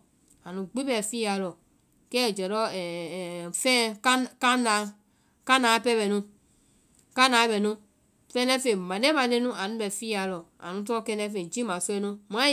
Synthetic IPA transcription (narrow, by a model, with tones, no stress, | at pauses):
a˨nũ˨ɡ͡bi˦bɛ˨fi˦a˨lɔ˨ | kɛ˦˨d͡ʒɛ˨ɾɔ˦ɛ˨fɛ˦kka˦na˨ | ka˦na˨˦pɛ˦bɛ˨nũ˦ | ka˦na˨˦bɛ˨nũ˦ | fɛ˦nɛ˦fe˨mã˨de˦ma˨de˦nũ˦a˨nũ˦bɛ˨fi˦a˨lɔ˨a̰˨nũ˦t̬ɔ˦kɛ˦nɛ˦fe˨d͡ʒi˦mã˨sɛ˦nũ˦m˨ã˦